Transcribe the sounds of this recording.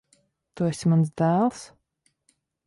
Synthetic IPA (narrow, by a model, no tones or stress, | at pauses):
t̪uɛsʲmansd̪æːlˠs